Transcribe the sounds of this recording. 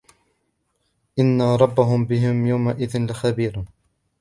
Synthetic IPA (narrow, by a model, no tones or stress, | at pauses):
ʔɪnːaɾˤɑbːaɦʊmbɪɦɪmjawmaʔɪðɪnlɪxabiːɾ